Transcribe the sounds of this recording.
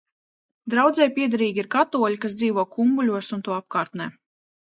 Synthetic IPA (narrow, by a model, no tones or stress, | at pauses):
d̪ɾawd̪zɛjpʲiɛd̪aɾiːɡʲiɾkat̪uɔlʲikasd̪ziːvuɔkumbulʲuɔsunt̪uɔap̚kaːɾt̪nɛː